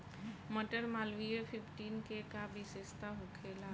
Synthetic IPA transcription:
məʈəɾmaːlʋiepʰɪpʰʈiːnkekabisest̪aɦokʰela

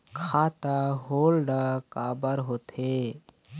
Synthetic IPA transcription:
kʰaːt̪aɦoːlɖakaːbəɾɦoːt̪ʰeː

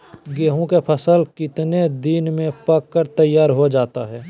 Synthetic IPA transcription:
ɡeːɦõkepʰəsəlkɪt̪ned̪inmẽpɐkːəɾt̪əjːaːɾɦod͡ʒaːt̪aɦɛː

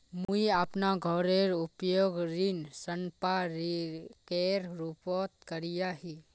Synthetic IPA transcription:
mũiapnaɡʱɔɾeɾʊpjoːɡɾinsənpaɾikeɾɾupɔt̪kəɾijaɦi

